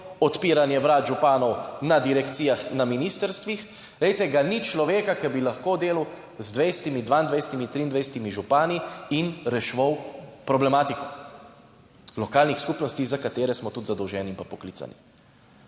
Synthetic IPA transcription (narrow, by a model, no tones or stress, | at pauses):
ɔt̪piːɾanjɛʋɾad̪ʒupaːnɔwnad̪iɾɛkt̪siːjaxnaminiːst̪əɾst̪ʋix | lɛjt̪ɛɡanit͡ʃlɔʋeːkakɛbilaxkoːd̪eːlu | zd̪ʋɛjsɛ̥t̪imid̪ʋaːind̪ʋajsɛ̥t̪imint̪ɾiːnd̪ajsɛ̥t̪imiʒupaːniinɾɛʃʋɔwpɾɔblɛmaːt̪ikɔ | lɔkaːlnixskupnɔst̪izakat̪eːɾɛsmɔt̪ut̪zad̪ɔwʒɛːniimpapɔklit̪sa̰nḭ